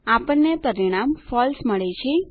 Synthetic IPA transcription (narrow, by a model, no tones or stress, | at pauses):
apəɳːepəɾiɽ̃amfɔlsməɭet͡ʃʰe